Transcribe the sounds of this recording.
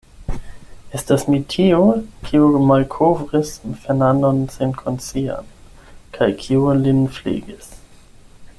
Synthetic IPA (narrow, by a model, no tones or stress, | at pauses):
estasmitʰiokʰiumalkʰovʁisfɛnanonsenkʰont͡sia̰n | kʰajkʰiulinflḭɡis